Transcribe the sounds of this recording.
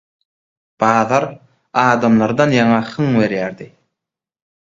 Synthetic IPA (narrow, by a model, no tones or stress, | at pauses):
b̥ɑːðɑɾ | ɑːd̪ɑmlˠɑɾd̪ɑnjɑŋɑhɯŋβe̞ɾjæɾd̪i